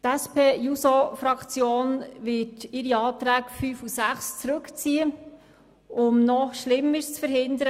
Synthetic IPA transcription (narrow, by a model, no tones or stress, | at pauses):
tæspʰeːjusofɾɑkt͡sjoːnʋɪtɪɾiɑːt̪ɾæːkfyːfusæχst͡sɾɵkt͡siːə | ʊmnɔʃlɪmːəɾst͡sfəɾhɪnd̪əɾə